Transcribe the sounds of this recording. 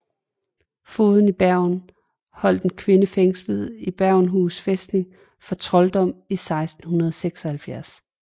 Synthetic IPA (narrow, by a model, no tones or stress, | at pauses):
fo̝ːðˠn̩ib̥æɐ̰ʊn | hɒ̽l̰d̥enkʰʋe̝nəfeŋsləð̩ˠib̥æɐʊnɦuːsfesd̥ne̝ŋ | fɒ̽t͡sʰʁɒ̽ld̥ɒ̽m̰isɑ̈ɪsd̥n̩hunɐð̞ˠseɡ̥sɒ̽hælfjæɐ̰s